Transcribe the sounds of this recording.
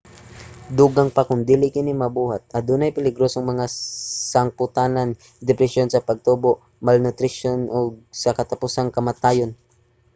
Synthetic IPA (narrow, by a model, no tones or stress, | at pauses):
d̪uːɡaŋpakʊnd̪iːlɪkɪnimɐbuːhat̪̚ʔɐd̪uːnɐjpɪlɪɡɾosoŋmɐŋasɐŋpʊt̪aːnan | d̪ɛpɾɛʃonsɐpɐɡ̚t̪uːboʔ | malnʊt̪ɾɪʃonʔoɡ̚sɐkɐt̪ɐpʊsaŋkɐmat̪aːjon